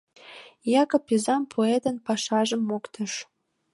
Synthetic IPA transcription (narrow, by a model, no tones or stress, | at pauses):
jɑkɤpizɑmpʰoet̪ə̆npɑʃɑʒə̆mːokt̪ə̆ʃ